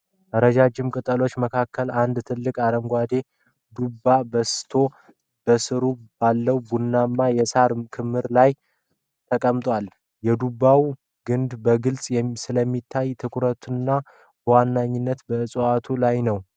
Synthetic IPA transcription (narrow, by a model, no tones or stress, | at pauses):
ʔəɾəd͡ʒad͡ʒɪmkʼɨt̪ʼəlo̞t͡ʃːməkʰakʰːəland̪t̪ʰɨlːɨkʼaɾəŋɡʷad̪e̞ | d̪ubːabəst̪ʰo̞ | b̥əsɨɾubalːəwbunːamːajɛsaɾmkʰɨmːɨɾlaj | t̪ʰəkʼəmt̪ʼwʷal | jɛd̪ubːaw | ɡɨnd̪bəɡɨlsʼjɛsɨləmːit̪ʰːajt̪ʰɨkʰɾət̪ʰɨnːa | bəwanːaɲːɪnːət̪bəɨsʼat̪ʰulajnəw